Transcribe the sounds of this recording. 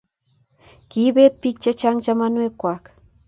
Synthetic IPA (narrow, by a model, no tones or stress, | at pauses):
kibet̪̚pik̚t͡ʃat͡ʃaŋt͡ʃamanwekʷak